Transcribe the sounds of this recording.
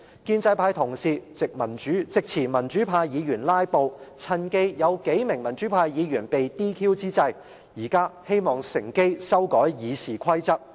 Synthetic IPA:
kiː˧nt͡sɐ˧jpʰaː˧jt̪ʰʊ˨˩ŋsiː˨t͡sɪ˨k̚mɐ˨˩nt͡ʃyː˨˥t͡sɪ˨k̚t͡sʰiː˨˩mɐ˨˩nt͡ʃyː˨˥pʰaː˧jjiː˨˧jyː˨˩nlaː˥jpo˨˧wt͡sʰɐ˧nke˥jjɐ˨˧wke˨˥jmɪ˨˩ŋmɐ˨˩nt͡ʃyː˨˥pʰaː˧jjiː˨˧jyː˨˩npe˨jt̪iː˥kʰiː˥wt͡siː˥t͡sɐ˧j | jiː˨˩kaː˥he˥jmɔː˨˩ŋsɪ˨˩ŋke˥jsɐ˥wkɔː˨˥jjiː˨˧siː˨kʷʰɐ˥jt͡sɐ˥k̚

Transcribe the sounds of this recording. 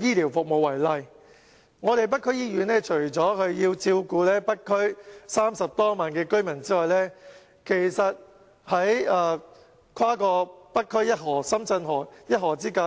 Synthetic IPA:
jiː˥liː˨˩wfʊ˨k̚mo˨wːɐ˨˩jlɐ˧j | ŋɔː˨˧ɾe˨jp̬ɐ˥t̚kʰːɵ˥ɥjiː˥jyː˨˥nɛː˥t͡ʃʰɵ˨˩ɥt͡sɔː˨˥kʰɵ˧ɥjiː˧wt͡siː˧wkuː˧lɛː˥pɐ˥kʰːɵ˥ɥsaː˥msɐ˨p̚t̪ɔː˥maː˨nkɛː˧kɵ˥ɥmɐ˨˩nt͡siː˥lɔː˨jlɛː˥ | kʰe˨˩jsɐ˨t̚ | hɐ˨˥jɐː˨˧ | kʰwaː˥kɔː˧pɐ˥t̚kʰːɵ˥ɥjɐ˥t̚ɦɔː˨˩sɐ˥mt͡sɐ˧nɦɔː˨˩jɐ˥t̚hɔː˨˩t͡siː˥kaː˧˥

